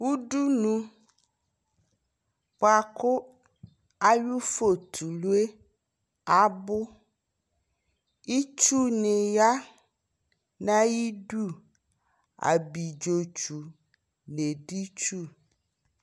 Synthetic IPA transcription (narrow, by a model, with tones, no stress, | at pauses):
wu˦ɖu˦nũ˦ | k͡pa˨ko˦ | a˦ju˦fo˨t̪ʰu˨lu˦e˦ | a˦bʊ˦ | i˦t͡ʃu˦ne˨ja˦ | nã˦ji˦ɖu˦˨ | a̰˨bi˨d͡ʒo˨t͡ʃu˨ | ne˨ɖi˦t͡ʃu˦˨